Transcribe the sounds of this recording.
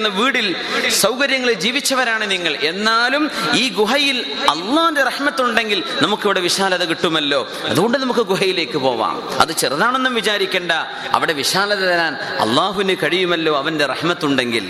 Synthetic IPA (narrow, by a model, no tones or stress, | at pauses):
nːɐʋiːɽil | sɐwkɐɾjɐŋːɐɭed͡ʑiːʋit͡ɕːɐʋɐɾaːɳɨniŋːɐɭʔe̞nːaːlumiːɡuɦɐjil | ɐlːaːhunderɐħmɐt̪ːuɳɖe̞ŋɡilnɐmukːɐʋiɽe̞ʋiɕaːlɐðɐk̬iʈːumɐlːo̞ː | ɐ̰ðuɣo̞ɳɖɨnɐmukːɨɡuɦɐjile̞ːkːɨpo̞ːʋa̰ːmɐ̰ðɨt͡ɕerɐðaːɳenːumʋit͡ɕaːɾikʲːeːɳɖɐ | ɐ̰ʋiɽe̞ʋiɕaːlɐðɐt̪ɐlaːn | ɐ̰lˠːaːɦuʋinɨkɐɻijumɐlːo̞ːɐʋɐnde̞rɐ̰ħmɐt̪ːuɳɖe̞ŋɡḭl